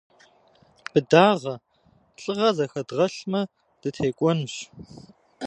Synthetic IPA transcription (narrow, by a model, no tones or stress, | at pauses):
b̥ɨdaːʁɐ | ɬʼɨʁɐzɐxɐdʁɐɬmɐ | d̥ɨtʰeːkʷʼɔnɕ